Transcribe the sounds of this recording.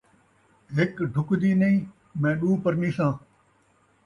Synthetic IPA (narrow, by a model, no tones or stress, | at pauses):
ɦɪkɖʱʊkd̪iːnəĩː | mẽːɗuːpəɾnĩːsãː